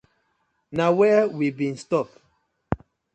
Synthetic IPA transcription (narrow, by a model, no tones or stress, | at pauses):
nawɛwibĩnstɔp